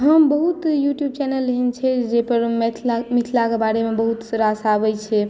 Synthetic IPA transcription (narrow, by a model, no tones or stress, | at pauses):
ɦəmbəɦut̪juʈjub̚t͡ʃɛnəlːeɦint͡ʃʰɛd͡ʒepəɾmʰmit̪ʰilakebaɾemebəɦut̪səɾasabɛt͡ʃʰɛ